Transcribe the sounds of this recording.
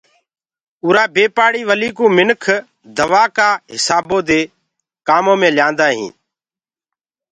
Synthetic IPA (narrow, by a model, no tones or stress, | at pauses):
uːɾaːbeːpaːɽiːʋəliːkũːmɪnkʰ | d̪əʋaːkaːɦɪsaːbõːd̪eː | kaːmõːmẽːlɪjãːnd̪aːɦḭ̃ː